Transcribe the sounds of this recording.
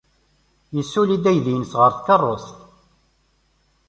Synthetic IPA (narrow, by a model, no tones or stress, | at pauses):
jəsːulid̪æjðinəsʁəɾθkərˤːost̪